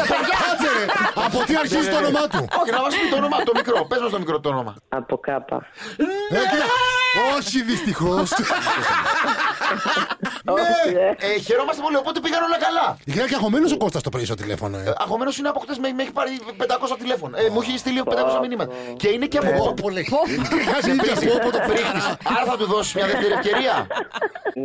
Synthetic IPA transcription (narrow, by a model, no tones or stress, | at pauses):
pokɐseɾeɐpot̪iɐɾçtizit̪onomɐt̪uoçenɐvɐsot̪onomɐt̪o̞mikɾo̞pezmɐst̪o̞mikɾo̞t̪o̞nomɐ̰ɐ̰pokɐpɐ̰ | e | oçiðist̪ixos | neçeɾomɐst̪epo̞lio̞pot̪epiɣɐno̞lɐkɐlɐʝeɐceɐxo̞menosoko̞st̪ɐst̪opɾeisot̪ilḛfo̰noeɐxo̞me̞nosineɐpoxt̪ezmemeçi̥pɐɾipend̪ɐko̞sɐt̪ile̞fo̞noemuçeist̪iliend̪ɐko̞sɐminimɐt̪ɐce̞ineceɐpopoolo | ɾiopot̪opɾixt̪iseɐɾɐθɐt̪uðo̞si̥zmɲɐðeft̪e̞ɾie̞fce̞ɾiɐ